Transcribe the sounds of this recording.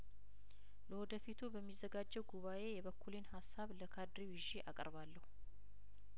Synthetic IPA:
ləwɔd̪əfit̪ʰubəmːizːəɡad͡ʒːɛwɡuβaʔe̞jɛβəkʰːulinhasːaβləkʰad̪ɾiwɪʒiʔakʼə̰ɾβalːəhu

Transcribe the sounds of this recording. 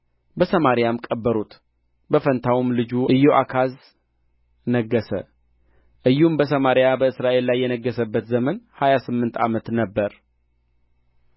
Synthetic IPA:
bəsəmaɾijamkʼəbːəɾut̪ | bəfənt̪ʰawumlɨd͡ʒuʔɨjːoʔakʰaz | nəɡːəsə̰ | ʔɨjːumbəsəmaɾjabəɨsɾaʔe̞lːajːɛnəɡːəsəbːət̪zəmənhajasɨmːɨnt̪ʰa̰mət̪nəbːəɾ

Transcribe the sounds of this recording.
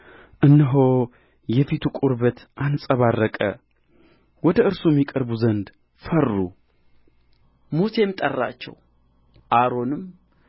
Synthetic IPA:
ʔɨnːɨɦo | jɛfit̪ʰukʼuɾβət̪ʰʔansʼəβarːəkʼə̰ | wɔd̪əɨɾsujɛmːikʼəɾbuzənd̪ | fərːu | muse̞mɨt̪ʼərːa̰t͡ʃːɛ̰w | ʔaɾo̞nɨm

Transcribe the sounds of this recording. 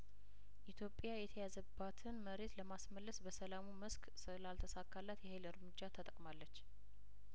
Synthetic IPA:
ʔit̪ʰjo̞pʼːjajɛt̪ʰəjazəbːat̪ʰɨnməɾe̞t̪ləmasməlːəsbəsəlamuməsk | sɨlalt̪ʰəsakːalːat̪jɛhajlɨɾmɨd͡ʒːat̪ʰət̪ʼəkʼmalːət͡ʃː

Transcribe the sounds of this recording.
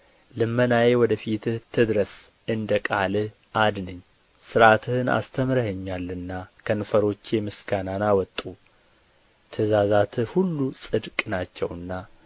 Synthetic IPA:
lɨmːənajewɔd̪əfit̪ʰɨht̪ʰɨd̪ɾəs | ɨnd̪əkʼalɨh | ʔad̪nɨɲː | sɨɾat̪ʰɨhɨna̰st̪ʰəmɾəhəɲːalːɨnːakʰənfəɾo̞t͡ʃːjɛmɨsɡananawɔt̪ʼːu | t̪ʰɨzazat̪ʰɨhulːusʼɨd̪kʼnat͡ʃːɛ̰wɨnːa

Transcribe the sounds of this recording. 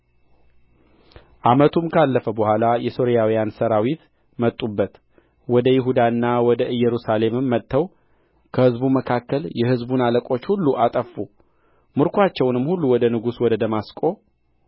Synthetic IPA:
ʔamət̪ʰumkʰalːəfəbəhʷalajɛso̞ɾijawijansəɾawit̪ | mət̪ʼːubːət̪ | wɔd̪əjɪɦud̪aɨnːawɔd̪əʔɨjːɛɾusale̞mɨmːət̪ʰʼːəw | kʰəhɨzbuməkʰakːəljɛhɨzbunaləkʼo̞t͡ʃːhulːuʔat̪ʼəfːu | mɨɾkʰʷat͡ʃːɛwnɨmhulːuwɔd̪ənɨɡuswɔd̪əd̪əmaskʼo̞

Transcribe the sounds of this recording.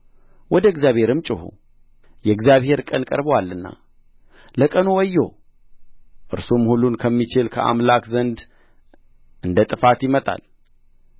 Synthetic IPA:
wɔd̪əɡzjaβhe̞ɾɨmt͡ʃʼɪhṵ | jɛɡzjaβhe̞ɾkʼənkʼə̰ɾbəwalːɨnːa̰ | ləkʼənuwɔjːo | ʔɨɾsomhulːunkʰəmːit͡ʃɪlkʰə̰ʔa̰mlakzənd̪ | ʔɨnd̪ət̪ʼɨfat̪jɪmət̪ʼa̰l

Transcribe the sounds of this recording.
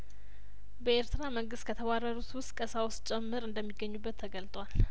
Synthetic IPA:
bəeɾt̪ɨɾaməŋɡɨst̪kʰət̪ʰəɡʷaɾəɾut̪wʊst̪̚ʼkʼəsawst͡ʃʼɛmːɨɾɨnd̪əmːiɡːəɲːubːət̪ʰːəɡəlt̪ʼwal

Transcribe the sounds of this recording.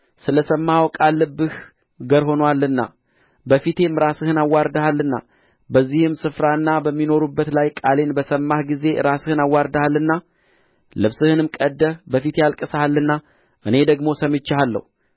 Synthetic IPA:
sɨləsəmːawkʼalːɨbːɨh | ɡəɾho̞nwalːɨnːa̰ | bəfit̪ʰe̞mːɾasɨhɨnawːaɾd̪əhalːɨnːa̰ | bəzːihɨmsɨfɾaɨnːabəmːino̞ɾubːət̪lajkʼale̞nbəsəmːahɡize̞ɾasɨhɨnawːaɾd̪əhalːɨnːa | lɨβsɨhɨnɨmkʼəd̪ːəbəfit̪jalkʼɨsəhalːɨnːa | ʔɨne̞d̪əɡmo̞səmɨt͡ʃːhalːə̰hu

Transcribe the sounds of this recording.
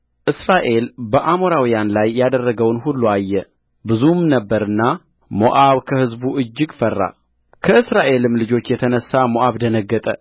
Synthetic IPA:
ʔɨsɾaʔe̞lbəʔamoɾawijanlajːad̪ərːəɡəwnhulːuajːɛ | bɨzumnəbːəɾɨnːa | mo̰ʔaβkʰəhɨzbuʔɨd͡ʒːɪɡfərːa̰ | kʰəɨsɾaʔe̞lɨmlɨd͡ʒo̞t͡ʃːjɛt̪ʰənəsːamoʔaβd̪ənəɡːət̪ʼə

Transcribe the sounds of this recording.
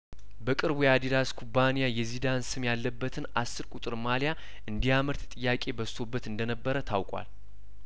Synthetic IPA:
bəkʼɨɾbujad̪id̪askʰubːanijajɛzid̪ansɨmjalːəbːət̪ʰɨnʔasːɨɾkʷʼut̪ʼɨɾmalja | ʔɨnd̪ijaməɾt̪t̪ʼɨjːakʼe̞bəst̪ʰo̞bːət̪ɨnd̪ənəbːəɾət̪ʰawkʼwa̰l

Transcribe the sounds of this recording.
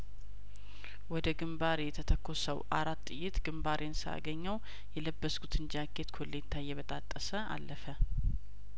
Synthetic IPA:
wɔd̪əɡɨmbaɾjɛt̪ʰət̪ʰəkʰːo̞səwʔaɾat̪ːɨjɪt̪ɡ̥ɨmbaɾʔensɨa̰ɡəɲːəw | jɛləbːəskʰʼut̪ʰɨnd͡ʒakʰːet̪kʰolːet̪ʰajːɛβət̪ʼat̪ʼːəsəa̰lːəfə

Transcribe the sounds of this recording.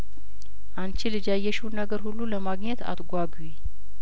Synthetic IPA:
ʔant͡ʃɪlɨd͡ʒajːɛʃuwnəɡəɾhulːuləmaɡɲɛt̪ʰa̰t̪ɡʷaɡwi

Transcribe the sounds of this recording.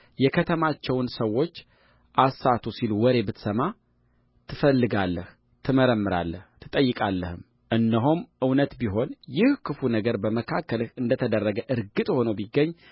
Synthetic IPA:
jɛkʰət̪ʰəmat͡ʃːɛwnsəwːo̞t͡ʃː | ʔasːat̪ʰusilwɔɾe̞bɨt̪səma | t̪ʰɨfəlːɨɡalːəh | t̪ʰɨməɾəmːɨɾa̰lːəht̪ʰɨt̪ʼəjːɨkʼalːəhɨm | ʔɨnːəɦumʔɨwnət̪biɦo̞njɪhkʰɨfunəɡəɾbəməkʰakːəlɨnd̪ət̪ʰəd̪ərːəɡəʔɨɾɡɨt̪ʼho̞nəwbiɡːəɲː

